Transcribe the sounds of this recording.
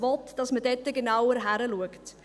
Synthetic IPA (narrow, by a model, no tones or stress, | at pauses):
vɔtd̥ɑsmədɛtːəɡenaʊwəɾɦæɾəluəkt